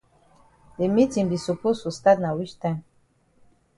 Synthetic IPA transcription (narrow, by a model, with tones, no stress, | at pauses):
de˨mi˦ti˨mbi˨su˨po˦su˨st̪a˦t̪na˨wi˦ʃt̪a˦n